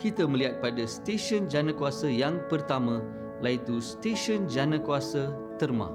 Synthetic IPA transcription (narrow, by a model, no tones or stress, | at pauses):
kit̪aməliɦat̪̚padast̪eʃɔnd͡ʒanakuwasajaŋpərt̪amã | lait̪ust̪eʃənd͡ʒanãkuasa | t̪ərmã̰